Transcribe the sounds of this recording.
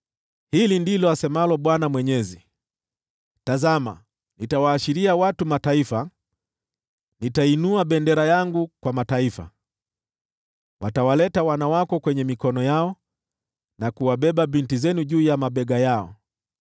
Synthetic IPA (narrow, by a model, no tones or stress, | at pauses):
hilindilɔasɛmalɔɓwanamwɛɲɛzi | tazama̰ | nitawaːʃiɾiawatumataifa | nitainuaɓɛndɛɾajaŋɡukwamataifa̰ | wʔatawalɛtawanawakɔkwɛɲɛmikɔnɔjaɔ | nakuwaɓɛɓabintizɛnuʄuːjamaɓɛɡajaɔ̰